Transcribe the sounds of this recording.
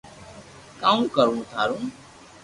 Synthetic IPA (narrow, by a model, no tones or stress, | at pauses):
kaːũːkəɾũːt̪ʰaːɾũː